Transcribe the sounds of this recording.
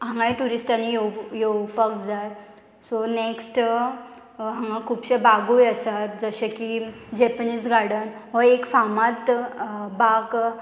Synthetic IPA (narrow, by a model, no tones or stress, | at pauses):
ãŋɡajʈuɾisʈanːijejewpəkd͡zaj | sɔneksʈ | ɦãŋɡakʰuːpɕəbaɡujəsat̪d͡zəɕəkid͡ʑɛpəniːd͡zɡʱaɽənɦɔekfamat̪bak